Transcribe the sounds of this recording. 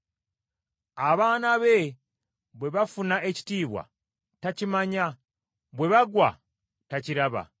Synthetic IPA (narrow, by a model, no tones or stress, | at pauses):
aβaːnaβe̞ | βwe̞βafunaʔe̞ci̥tiːβwa̰ | tacimaɲa | βwe̞βaɡwa | taciɾaβa̰